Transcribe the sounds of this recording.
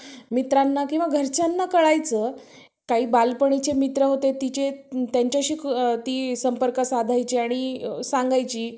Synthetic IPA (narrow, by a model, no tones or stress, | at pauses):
mit̪ɾanːakĩw̃ʋaɡʱəɾt͡ɕanːakəɭajt͡səː | kaɦiːbalpəɳ̃it͡ɕemit̪ɾəɦot̪et̪it͡ɕet̪jaɲt͡ɕjaɕiːkt̪iːsəmpəɾkəsad̪ʱajt͡ɕiaɽ̃isãŋɡajt͡ɕiː